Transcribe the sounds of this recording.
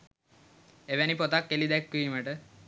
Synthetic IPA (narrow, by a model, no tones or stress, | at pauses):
eʋænipot̪akːelid̪ækːuiməʈə